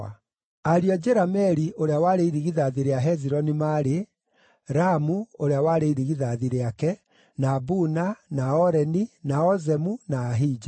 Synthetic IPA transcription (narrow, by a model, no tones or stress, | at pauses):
aɾiɔd͡ʒɛɾamɛɾiʔoɾeawaːɾeiɾiɣiðaðiɾeaɦɛziɾɔnimaɾe | ɾamuoɾeawaːɾeiɾiɣiðaðiɾeakɛ | nabunanaɔɾɛninaɔzɛmunaːɦid͡ʒa